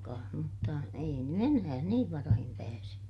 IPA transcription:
kɑːh mutːɑ ei ny enæː niːʋ ʋɑrɑhim pæːse

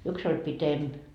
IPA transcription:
yks olʲ pitemp

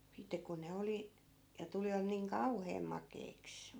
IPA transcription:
sitːe kun ne oli jɑ tuliʋɑt niːŋ kɑuheːm mɑkˑeiks

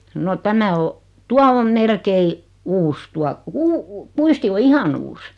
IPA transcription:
no tæmæ o tuɑ om melkei uːs tuɑ kuː kuisti o ihɑn uːs

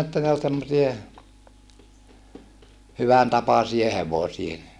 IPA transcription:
etːæ ne ol semːosie hyʋæn tɑpɑsie heʋosie

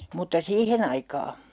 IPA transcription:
mutːɑ siːhen ɑikɑː

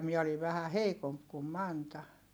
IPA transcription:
miɛ oliʋ̆ ʋæhæ heikomp kum mɑntɑ

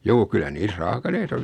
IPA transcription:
juː kylːæ niːs rɑːkɑleitɑ

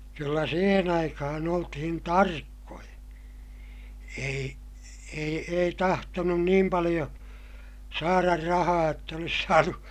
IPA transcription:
kylːæ siːhen ɑikɑhɑn oltihin tɑrkːojɑ ei ei ei tɑhtonun niːm pɑlij̆o sɑːrɑr rɑhɑː jotː olis sɑːnu

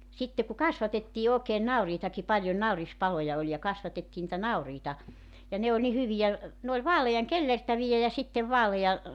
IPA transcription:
sitːe ku kɑsʋɑtetːiː oːkeːn nɑuriːtɑki pɑljon nɑurispɑlojɑ olʲ jɑ kɑsʋɑtetːiː nĭtæ nɑuriːtɑ jɑ ne olʲ ni hyʋijæ ne ol ʋɑːlejɑŋ kelːertæʋijæ jɑ sitːeʋ ʋɑːlej̆ɑ

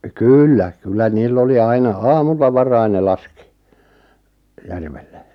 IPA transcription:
kyːlːæ kylːæ niːlː oli ɑinɑ ɑːmulːɑ ʋɑrɑin ne lɑski̥ jærʋelːe

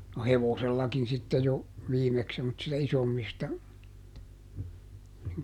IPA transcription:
no heʋoselːɑkin sitːe jo ʋiːmeks semːotsistɑ isomːistɑ niŋ

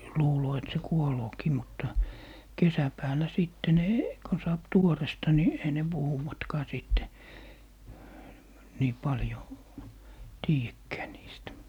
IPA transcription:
luːloː et se kuoloːkiː mutːɑ kesæpæːlˑæ siˑtːe ne kon sɑːp tuorestɑ ni ei ne puhuwɑtkɑː siˑtːe niː pɑljoˑ tiːjækːæː niːstæ

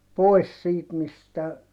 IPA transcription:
poi̯s siːt mistæ

